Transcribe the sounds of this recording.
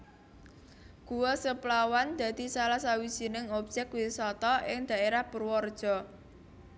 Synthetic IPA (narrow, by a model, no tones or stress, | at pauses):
ɡ̥uwɔsəplawand̪̥a̤d̪̥i̤salahsawid̥ʒ̥i̤nɪŋɔb̥̚d͡ʒ̥ɛk̚wisɔt̪ɔʔɪŋd̪̥a̤ʔeɾahbərwɔrd̥ʒ̥ɔ̤